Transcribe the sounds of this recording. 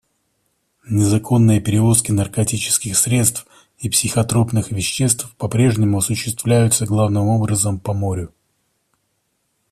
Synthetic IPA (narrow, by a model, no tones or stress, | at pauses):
nʲɪzɐkʰo̞nːɨjəpʲɪɾʲɪvo̞skʲɪnɐrkɐtʲit͡ɕɪ̥skʲɪxsɾʲe̞t̪st̪f | ipsʲɪxɐt̪ɾo̞pn̪ɨxvʲɪɕːe̞st̪fpɐpɾʲe̞ʐnʲɪmʊɐsʊɕːɪst̪vlʲæjʊt̪səɡlˠavnɨmo̞bɾəzəmpɐmo̞ɾʲʊ